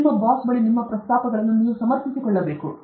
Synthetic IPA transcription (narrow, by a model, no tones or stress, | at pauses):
mːɐbaːsbɐɭinimːɐpɾɐst̪aːpɐd̪ɐlɐnːuniusɐmɐɾt̪isikɔɭːɐbeːku